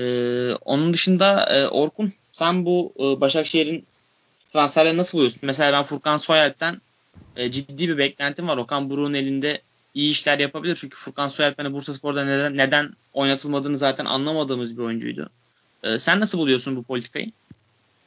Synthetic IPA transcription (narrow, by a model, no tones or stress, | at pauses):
ɛːo̞̰nund̪ɯʃɯnd̪aɛ̰ːʔo̞ɾkʰun | sænbuːbaʃakʃejiɾin | t̪ʰɾansfæɾlʲeɾinasɯlbulˠujosunmes̬eaːbænfuɾkansojalʲp̚t̪ʰæn | ɛːd͡ʒid̪ːiːbibɛclʲænt̪ʰimvaɾo̞kʰanbuɾuːune̞lʲind̪ɛ | ijiːʃlʲæɾjapʰabilʲiɾt͡ʃʰyɲcʰy̥fuɾkansojalʲp̪̚anɛbuɾsasɨ̥po̞ɾd̪anenːed̪æn | o̞jnat̪ʰɯlˠmad̪ɯːnɯzaːt̪ʰænʔa̰nlˠamad̪ɯːmɯzbio̞jund͡ʒṵjd̪ʊ̰ | ɛ̰ːsænːasɯbulˠujosunbupʰo̞lʲit̪ʰi̥kʰa̰jɯ̰